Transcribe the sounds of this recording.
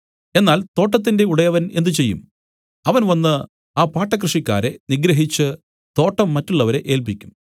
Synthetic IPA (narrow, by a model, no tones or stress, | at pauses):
e̞nːaːlt̪o̞ːʈːɐt̪̬ːinde̞uɽɐjɐʋɐne̞nd̪ɨt͡ɕe̞jːṵm | ɐʋɐnʋɐnːɨ | aːpaːʈːɐk̬rɨʂikʲːa̰ːɾe̞niɡɾɐɦit͡ɕːɨ | t̪o̞ːʈːɐmːɐtːuɭːɐʋɐɾe̞ʔe̞ːlpikʲːum